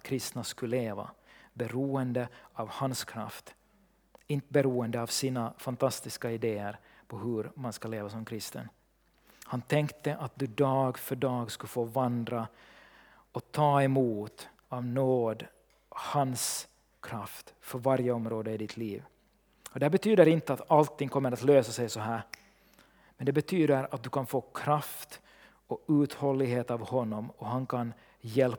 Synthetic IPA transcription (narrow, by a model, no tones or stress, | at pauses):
kʰɾɪst̪naskɵleːva̰bɛɾuːənd̪əɑvhanskʰɾa̰ft̪ | ɪnt̪əbɛɾuːənd̪əɑvsiːnafant̪ʰast̪ɪskaɪd̪eːəɾ | pʰɔɦɵɾmanskaleːvasɔmkʰɾɪst̪ə̰n | hant̪ʰɛŋkt̪əʔat̪̚d̪ɵd̪ɑːɡfœɖɑːɡskɵfoːvand̪ɾa | ɔt̪ʰɑːɛmuːt̪ | ɑvnoːd̪ | hans | kʰɾaft̪fœɾvaɾjəɔmɾoːd̪əɪd̪ɪt̪ʰlḭːv | ɔd̪ɛæːbɛt̪ʰyːd̪əɾɪnt̪əat̪alt̪ʰːɪŋkʰɔmːəɾat̪løːsasɛjsɔɦæːɾ | mɛnd̪ɛbɛt̪ʰyːd̪əɾat̪̚d̪ɵkanfoːkʰɾaft̪ | ɔʉːt̪hɔlːɪɡɦeːt̪ɑvhɔnːɔmɔhankʰan | jɛl